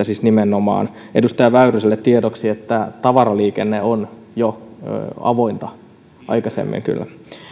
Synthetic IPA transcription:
æsisnimenːomɑ̰ːn | edust̪ɑjɑʋæyrøselːet̪t̪iedoksiet̪ːæt̪ɑʋɑrɑliːkenːeon | jo̰ | ɑ̰ʋoint̪ɑ | ʔɑ̰ikɑsḛmːḭŋky̰lːæ̰

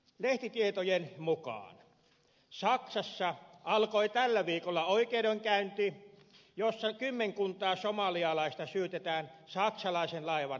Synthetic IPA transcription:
leht̪it̪iet̪ojenmukɑ̰ːn | sɑksɑsːɑɑlkoit̪ælːæʋiːkolːɑoikeːdoiŋkæynt̪i | josːɑkymːeŋkunt̪ˑɑːsomɑliɑlɑˑist̪ɑsyːt̪et̪æːnsɑksɑlɑˑisenlɑiʋɑn

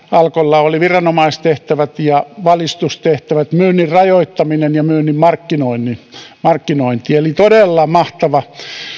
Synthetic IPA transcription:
ɑlkolːɑoliʋirɑnomɑistt̪eht̪æʋæt̪jɑʋɑlist̪ustt̪eht̪æʋæt̪myːnːirrɑjoit̪ːɑminenjɑmyːnimmɑrkːinoinːˑimɑrkːinoint̪ielit̪odelːɑmɑht̪ɑʋɑ

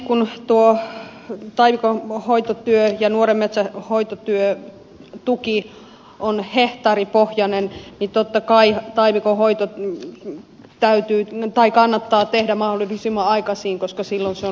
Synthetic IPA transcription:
kunt̪uo | t̪ɑiʋikohoit̪ot̪yøjɑnuoremmet̪sæhoit̪ot̪yø | t̪uki | ʔonheht̪ɑripohjɑnennit̪ot̪ːɑkɑit̪ɑiʋikohoit̪o | t̪æyt̪yːt̪ɑikɑnːɑt̪ːɑːt̪ehdæmɑholːˑilisimːɑɑikɑsiːŋkoskɑsilːonseo

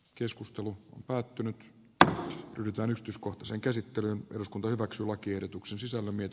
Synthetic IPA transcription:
keskust̪eluo̰mpæːt̪ːynyt̪ | ryhdyt̪æːnyksi̥t̪yiskoht̪ɑseːŋkæsit̪ːelynʔeruskunt̪ɑhyʋæksyːlɑkiehdet̪uksensisælːæmiet̪

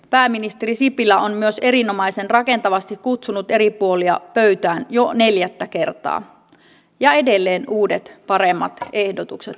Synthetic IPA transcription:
pæːmːinist̪eɾisipilːæonmyøse̞ɾino̞mɑise̞nrɑke̞nt̪ɑʋɑst̪ikkut̪sunut̪e̞ɾipuoliɑ̰pøyt̪æːnjo̞ne̞ljæt̪ːæke̞rt̪ɑ̰ː | jɑe̞de̞lːe̞ːnuːdet̪pɑɾemːɑ̰t̪e̞hdot̪ukset̪

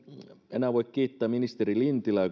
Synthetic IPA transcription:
ḛnæːʋoikkiːt̪ːæːminist̪erilint̪ilæː

